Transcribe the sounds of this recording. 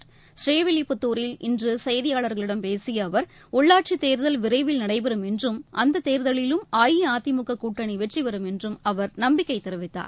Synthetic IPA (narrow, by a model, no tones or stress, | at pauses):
sɾeːʋɪlɪpːʊt̪ːuːɾɪlɪndrɯsɐjɐðɪjaːɭɐɾɣɐɭɪɽɐmpeːsɪjɐːʋɐɾ | ʊɭːaːʈ̚t͡ʃit̪eːɾðɐlʋɪɾɐɪʋɪlnɐɽɐɪpɐɾɯmɛndrɯmʔɐnd̪ɐt̪ːeːɾðɐɭɪlɯmaːjiaːt̪ːɪmʊkːɐkuːʈːɐɳiʋɛʈriʋɐɾɯmɛndrɯmɐʋɐɾnɐmbɪkːɐɪt̪ːɛɾɯʋɪt̪ːa̰ːɾ